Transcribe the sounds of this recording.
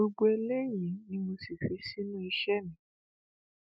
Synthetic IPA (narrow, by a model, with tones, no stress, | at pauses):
o˧ɡ͡bo˧e˧le˦ji˨˦nĩ˦mo˧si˨fi˨˦si˦nũ˦i˧ʃɛ˦mĩ˨˦